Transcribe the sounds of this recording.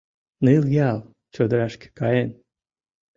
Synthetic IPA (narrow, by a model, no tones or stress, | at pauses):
nɨljɑlˠ | t͡ɕod̪ɾɑʃkʲe̥kɑjen